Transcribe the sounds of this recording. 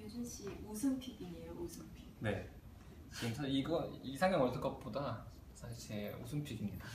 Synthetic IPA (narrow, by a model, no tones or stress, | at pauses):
ed͡ʑunɕiosʰɯnpʰiɡiɲijoosʰɯmpʰi̥ne̞ | t͡ɕiɡɯmsʰaɕiiɡʌnisʰaŋjaŋʌɭsʰɯk͈ʌp̚p͈oda | sʰaɕʰiɭt͡ɕe̞o̰sʰɯmpʰiɡimɲida